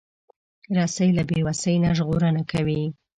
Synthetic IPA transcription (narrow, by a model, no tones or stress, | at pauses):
ɾɑsəjlabewasəjnaʒɣoɾənakʰawi